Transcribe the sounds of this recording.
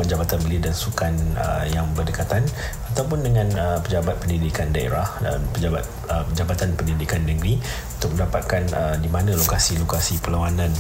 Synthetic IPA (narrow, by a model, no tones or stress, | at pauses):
ənd͡ʒabat̪anbəlidansukanə̰jaŋbərdəkat̪an | at̪awp̬ʊndəŋãnəpəd͡ʒabat̪̚pəndidikandaḛɾahə̰pəd͡ʒabat̪̚ | əpəd͡ʒabat̪anpəndidikanːəɡɾi | unut̪ʊk̚mə̃ndapat̪̚kanədimanãlokasilokasipəlawanãn